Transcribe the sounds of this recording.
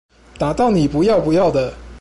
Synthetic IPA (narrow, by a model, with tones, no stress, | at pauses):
t̪a˨˩t̪ɑ˥˩ʊni˨˩pu˧˥jɑ˥˩ʊpu˧˥jɑ˥˩ʊd̪ə˩